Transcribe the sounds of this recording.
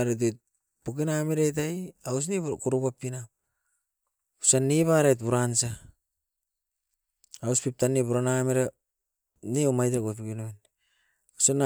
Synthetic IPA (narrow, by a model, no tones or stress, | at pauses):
ɾet̬ot̚ | pukinamiɾajt̬ajaus̬nikuɾupapinap | usanːiβaɾajtbuɾansa | awspip̚tanipuɾanamiɾa | niomajtɾaɡop̬ikinoin | usana